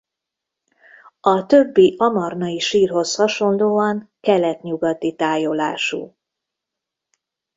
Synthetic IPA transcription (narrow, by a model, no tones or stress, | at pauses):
ɒt̪øbːiʔɒmɒrnɒiʃiːrɦo̞shɒʃo̞nd̪oːɒŋkɛlɛt̪ɲuɡɒt̪it̪aːjolaːʃṵ